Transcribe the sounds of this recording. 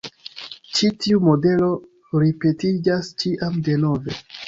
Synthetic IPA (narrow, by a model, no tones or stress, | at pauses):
t͡ʃitiumo̞de̞lo̞ | ɾipe̞tid͡ʒast͡ʃiʔamde̞no̞ve̞